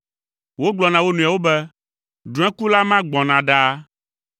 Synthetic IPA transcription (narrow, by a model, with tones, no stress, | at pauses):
wo˦ɡ͡blɔ˨nã˨wo˦nũ˨a˨wo˦bɛ˦ | ɖũ˨˦ɛ̃˦ku˦la˦mã˦ɡ͡bɔ̃˨nã˨ɖa˦